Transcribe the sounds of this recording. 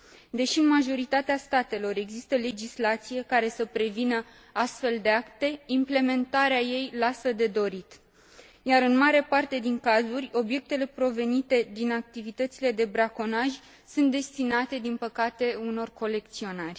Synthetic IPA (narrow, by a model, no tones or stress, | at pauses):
d̪e̞ʃiɨnmaʒo̞ɾit̪at̪east̪at̪e̞lo̞ɾe̞ɡzist̪əle̞d͡ʒislat̪sije̞kaɾe̞səpɾe̞vinə | ast̪fe̞ld̪e̞akt̪e̞imple̞me̞nt̪aɾeaje̞jlasəd̪e̞d̪o̞ɾit̪ | jaɾɨnmaɾe̞part̪e̞d̪iŋkazurʲo̞bje̞k̚t̪e̞le̞pɾo̞ve̞nit̪e̞d̪inak̚t̪ivit̪ət̪sile̞d̪e̞bɾako̞naʒʲ | sunt̪̚d̪e̞st̪inat̪e̞d̪inpəkat̪e̞uno̞rko̞le̞kt̪sio̞narʲ